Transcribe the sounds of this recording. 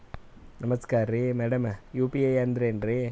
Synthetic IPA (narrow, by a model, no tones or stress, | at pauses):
nɐmɐskaːɾɾimɛɽɐmjuːpiejand̪ɪɾenɾi